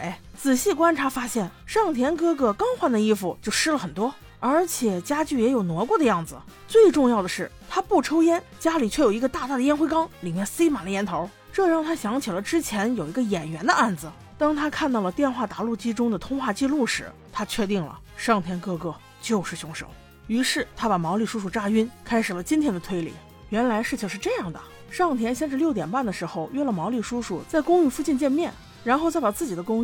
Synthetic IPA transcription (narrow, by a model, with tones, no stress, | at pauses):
e˥˩ | t͡sɹ̩˨˩ɕi˥˩kwa˥nʈ͡ʂʰa˧˥fa˥ɕjɛ˥˩nʂɑ˥˩ŋt̪ʰjɛ˥nkɤ˥kɤ˥˩kɑ˥ŋxwa˥˩nd̪ə˩i˥˧fu˨˩t͡ɕjo˥˩ʊʂɻ̩˥lə˨˩xə˨˩nt̪wɔ˥ | ə˞˧˥t͡ɕʰjɛ˨˩t͡ɕja˥t͡ɕy˥˩jɛ˧˥jo˨˩ʊnwɔ˧˥kwɔ˥˩d̪ə˧jɑ˥˩ŋd͡zɹ̩˩t͡swe˥˧ɪʈ͡ʂʊ˥˧ŋjɑ˥˩ʊd̪ə˩ʂɻ̩˥˩ | t̪ʰa˥pu˥˩ʈ͡ʂʰo˥ʊjɛ˥n | t͡ɕja˥li˨˩t͡ɕʰɥɛ˥˩jo˨˩ʊi˧˥ɡə˧t̪a˥˧t̪a˥˩d̪ə˧jɛ˥nxwe˥ɪkɑ˥ŋli˨˩mjɛ˥˩nsi˥ma˨˩lə˧˥jɛ˧˥nt̪ʰo˧˥ʊ | ʈ͡ʂɤ˥˧ɻɑ˥˩ŋt̪ʰa˥ɕjɑ˧˥ŋt͡ɕʰi˨˩lə˦ʈ͡ʂɻ̩˥t͡ɕʰjɛ˧˥njo˨˩ʊi˧˥ɡə˧jɛ˨˩nɥɛ˧˥nd̪ə˧a˥˩nd͡zɹ̩˩ | t̪ɑ˥ŋt̪ʰa˥kʰa˥˧nt̪ɑ˥˩ʊlə˩t̪jɛ˥˧nxwa˥˩t̪a˧˥lu˥˩t͡ɕi˥ʈ͡ʂʊ˥ŋd̪ə˨t̪ʰʊ˥ŋxwa˥˧t͡ɕi˥˧lu˥˩ʂɻ̩˧˥ | t̪ʰa˥t͡ɕʰɥɛ˥˧t̪i˥˩ŋlə̰˩ | ʂɑ˥˩ŋt̪ʰjɛ˥nkɤ˥˧kɤ˥˧ | t͡ɕjo˥˧ʊʂɻ̩˥˩ɕjʊ˧˥ŋʂo̰˨˩˦ʊ | y˧˥ʂɻ̩˥˩t̪ʰa˥pa˨˩mɑ˧˥ʊli˥˩ʂu˥ʂu˥˩ʈ͡ʂa˥˧y˥nkʰa˥ɪʂɻ̩˨˩lə˦t͡ɕi˥nt̪ʰjɛ˥nd̪ə˧t̪ʰwe˥ɪlḭ˨˩˦ | ɥɛ˧˥nla˧˥ɪʂɻ̩˥˩t͡ɕʰi˧˩ŋʂɻ̩˥˧ʈ͡ʂɤ˥˧jɑ˥˩ŋd̪ə̰˩ | ʂɑ˥˩ŋt̪ʰjɛ˥nɕjɛ˥˧nʈ͡ʂɻ̩˥˧ljo˥˩ʊt̪jɛ˨˩npa˥˩nd̪ə˩ʂɻ̩˧˥xo˧ʊɥnlə˩mɑ˧˥ʊli˥˩ʂu˥ʂu˥˩t͡sa˥˩ɪkʊ˥ŋy˥˧fu˥˧t͡ɕi˥˧nt͡ɕjɛ˥˧nmjɛ˥˩n | ɻa˧˥nxo˥˧t͡sa˥˩ɪpa˨˩t͡sɹ̩˥˩t͡ɕi˨˩d̪ə˦kʊ˥ŋy˥